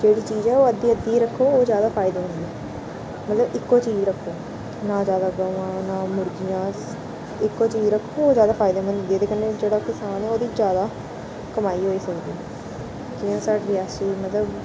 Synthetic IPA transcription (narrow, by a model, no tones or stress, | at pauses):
d͡ʒeːɽiːt͡ʃiːzɛːoːəd̪ːiːəd̪ːiːɾəkʰːoːoːzjaːd̪aːpʰaːɪd̪eːmə̃nd̪iɛ | mət̪ləbɪkːoːt͡ʃiːzɾəkʰːoː | naːd͡ʒjaːd̪aːɡəʋãːnaːmʊɾd͡ʒijãː | ɪkːoːt͡ʃiːzɾəkʰːooːzjaːd̪aːpʰaːɪd̪eːmənd̪iɛːt̪eːkənɖeːd͡ʒeːɽaːkɪsaːnɛːoːd̪iːd͡ʒjaːd̪aː | kəmaːiːɦoːiːsəkd̪iːɛ | kɪãːsaːʈɾɪaːsiːmət̪ləb